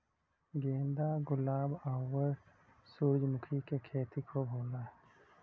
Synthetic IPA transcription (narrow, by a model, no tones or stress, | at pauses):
ɡeːnd̪aɡʊlaːbaːwəɾ | suɾd͡ʒmʊkʰikekʰeːt̪ikʰobʱoːlaː